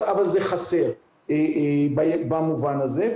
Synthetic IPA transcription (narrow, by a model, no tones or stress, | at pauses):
avalzeχaseʁ | ebabamuvanazev